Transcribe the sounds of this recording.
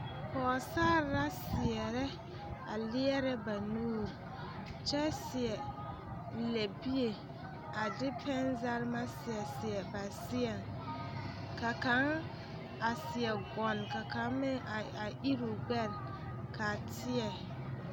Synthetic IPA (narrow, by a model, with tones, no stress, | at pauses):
pɔː˨saː˦ɾa˦sɪ˨ɛ˨ɾɛ˦ | a˨lɪ˦ɛ˦ɾɛ˦ba˨nuː˦˨ɾ | t͡ʃɛ˦sɪ˨ɛ˨ | lɛ˨bi˦e˨ | a˨dɪ˦pɛ˦nza˦ɾma˦sɪ˨ɛ˨sɪ˨ɛ˨ba˨sɪ˦ɛ˨ŋ | ka˨ka˨˦ŋ | a˨sɪ˨ɛ˨ɡɔ˨nka˨ka˦mɪ˦˨a˨ʔi˦ɾu˨ɡ͡bɛ˦˨n | kʰa˨tʰɪ˦ɛ˨